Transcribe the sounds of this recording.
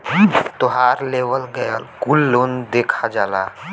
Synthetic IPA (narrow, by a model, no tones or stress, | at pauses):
t̪oɦaːɾleːʋəlɡəjakulːoːnd̪eːkʰad͡ʒaːlaː